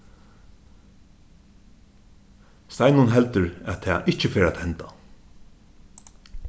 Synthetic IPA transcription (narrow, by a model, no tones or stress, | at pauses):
st̪ajnʊnɦɛlt̪əɹæt̪ʰɛːʔɪht͡ʃəfeːɾæːt̪hɛnt̪a